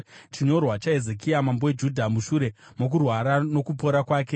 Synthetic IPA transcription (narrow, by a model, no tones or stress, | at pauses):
t͡ʃiɲo̞rwat͡ʃae̞zekiamambowed͡ʒudʱamuʃuɾe̞mok̬urwaɾano̞kupo̞ɾakwaːke̞